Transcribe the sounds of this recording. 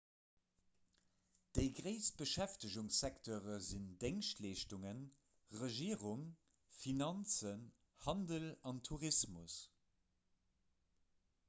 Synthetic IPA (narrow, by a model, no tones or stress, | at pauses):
d̥əɪɡʁəɪsb̥əʃæftəʑuŋsɛktʰoːʁəzindeŋʃtleːʃtuŋən | ʁəʒiːʁuŋ | finɑnt͡sən | hɑndəlɑntʰuʁismus